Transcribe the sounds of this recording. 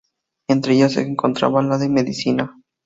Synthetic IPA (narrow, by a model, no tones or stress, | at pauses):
ent̪ɾeeʝosḛŋko̞nt̪ɾa̰βalaðemeðisina